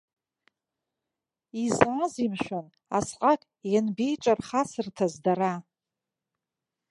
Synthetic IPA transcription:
izʕazimʃᶣʷan | a̰sqʼakʼ | janbejt͡ʃʷʼarχasɨrtʰazdaɾa

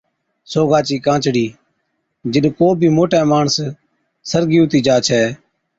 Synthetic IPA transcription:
soːɡaːt͡ʃiːkãːt͡ʃɽiː | d͡ʒɪɗkoːbʱiːmoːʈɛ̃ːmaːɳəs | səɾɡiːʊt̪iːd͡ʒaːt͡ʃʰɛː

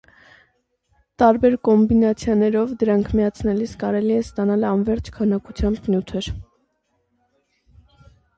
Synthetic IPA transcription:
t̪ɑɾbɛɾkɔmbinɑt͡sʰjɑnɛɾɔvd̪əɾɑŋkʰmiɑt͡sʰnɛliskɑɾɛliɛst̪ɑnɑlɑnvɛɾt͡ʃʰkʰɑnɑkut͡sʰjɑmbnjut̪ʰɛɾ

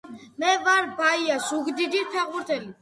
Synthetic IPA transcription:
mɛvaɾbaijasuɡd̪id̪iɾt̪ʰɛʁuɾt̪ʰɛli

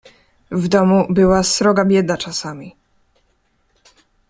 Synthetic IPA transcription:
vd̪ɔmubɘwasɾɔɡabʲjɛd̪nat͡ʂasamʲi

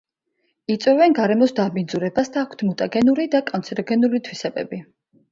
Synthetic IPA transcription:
it̪sʼwɛvɛnɡaɾɛmɔsd̪abind̪zuɾɛbasd̪aːkʷʰt̪ʰmut̪ʼaɡɛnuɾid̪akʼɔnt̪sʰɛɾɔɡɛnuɾit̪ʰwisɛbɛ̰bi

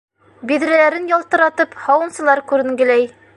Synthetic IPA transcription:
biðɾælæɾɘnjɒlˠt̪ɤ̆ɾɑt̪ɤphɑwɤ̆nsɤ̆lˠɑɾkʉɾɘ̆ŋɡɘ̆læj

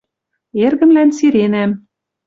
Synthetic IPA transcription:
erɣɘ̆mlænsiɾenæm

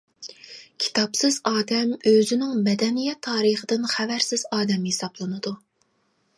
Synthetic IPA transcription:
kʲʰi̥t̪ʰɑpsɨzɑːd̪ɛmøzɪnɪŋmɛd̪ɛnijɛt̪ʰːɑːɾəχəd̪ɪnχævæɾsɪz̥ɑːd̪ɛmhesɑblˠɨnɨd̪u

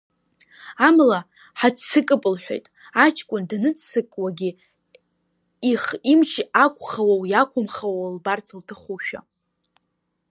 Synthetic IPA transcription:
amla | ħat͡ssɨkʼɨpʼɨlħʷᶣe̞̰jtʼ | at͡ʃʰkʷʼʊndanɨt͡ssɨkʼwaɡʲi | iχimt͡ʃʰiakʷʰʼχawawjakʷʰʊmχawalbart͡sʰɨltʰɨχuʃᶣa̰

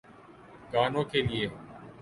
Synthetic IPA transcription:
kaːnõːkʰeːlɪeː

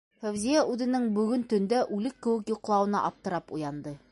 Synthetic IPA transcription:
fæwzijæʔʉðɘ̆nɘŋbɵ̆ɡɵnt̪ɵ̆nd̪æʔʉlɘkːɘ̆wɘ̆kjŏqlˠɑwɤ̆nɑ̰ʔɑp̚t̪ɤ̆ɾɑpujɑnd̪ɤ

